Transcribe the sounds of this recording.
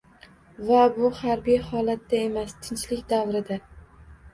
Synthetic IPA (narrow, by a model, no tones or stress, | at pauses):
vabʊhaɾbijhɒlat̪ːae̞mast̪ʰɪnt͡ʃlɪkʲd̪avɾɪd̪a